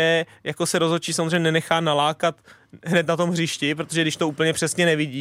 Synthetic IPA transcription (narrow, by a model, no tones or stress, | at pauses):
ɛjako̞sɛɾozɦot͡ʃiːsamozreɲɛnɛnɛxaːnalaːkat̪ɦnɛt̪nat̪o̞mɦrɪʃcɪpɾot̪oʒɛɡdɪʃt̪o̞uːpl̩ɲɛpr̥ɛsɲɛnɛvɪɟiː